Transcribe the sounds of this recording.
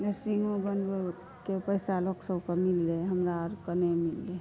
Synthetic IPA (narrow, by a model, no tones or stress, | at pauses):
esɾiŋõbənbe | kepəɪsaloksəbkəmilːeɦəmɾaɾkənemilːe